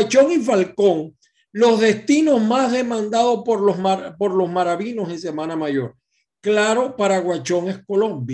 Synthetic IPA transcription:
at͡ʃo̞ŋifalko̞ŋ | lo̞zðe̞st̪ino̞zmazðe̞mãnd̪aðo̞spoɾompo̞ɾlo̞zmaɾaβino̞se̞ŋse̞mãnamaʝo̞ɾ | klaɾo̞paɾaɣwat͡ʃo̞ŋesko̞lõ̞mbj

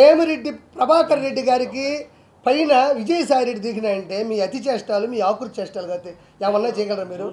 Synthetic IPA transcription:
eːmɐɾe̞ɖːipɾɐbʱaːkɐnɾe̞ɖːiɡaːɾiki | pɐjnɐʋid͡ʒɐjɐsaːjɾeɖːid̪iːkinaːjɐɳʈe̞ːmiːɐt̪it͡ʃɛːʂʈaːlumiːaːkuɾut͡ʃɛːʂʈaːluɡɐt̪e | eːmɐnːaːt͡ʃɛːjɐɡɐlɐɾaːmiːɾu

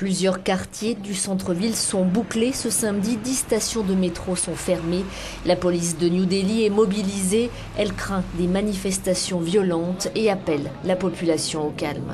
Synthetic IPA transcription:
plyzjœʁkaʁt̪jed̪ysɑ̃t̪χəvilsɔ̃buklesəsãmd̪id̪ist̪asjɔ̃d̪əmet̪χosɔ̃fɛʁme | lapɔlisd̪ənjud̪eliɛmɔbilize | ɛlkχɛ̃d̪emanifɛst̪asjɔ̃vjɔlɑ̃t̪eapɛlːapɔpylasjɔ̃okalm

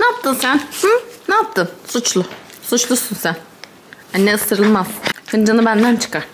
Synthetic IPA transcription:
naːp̚t̪ʰɯnsænh̩naːp̚t̪ʰɯmsut͡ʃlˠʊsut͡ʃlˠusunsæn | anːeɯst̪ʰɯɾɯlˠmaz̥kʰɯnd͡ʒanɯbænd̪ænt͡ʃʰɯ̥kaɾ̥

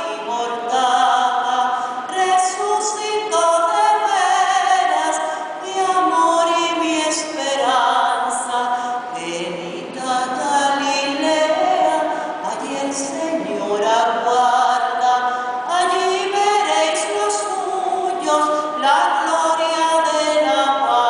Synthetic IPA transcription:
iɣoɾd̪aɣa | resusit̪oðeβeɾas | d̪eamoɾimiespeɾansaβe | nit̪aðalileβeɾaː | ʎielseɲoɾaɣwaɾðaː | ʎiβeɾejslos | u | ɲos | laɣloɾjaðelapa

